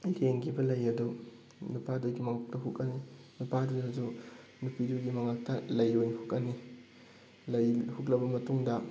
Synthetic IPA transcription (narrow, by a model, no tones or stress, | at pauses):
leŋɡibɐlɐjɐdu | nupaduɡimɐŋak̚tɐɦukɐni | nupaduɐdu | nupiduɡimɐŋak̚tɐlɐjojnhukɐni | lɐjhuk̬lɐbɐmɐtuŋdɐ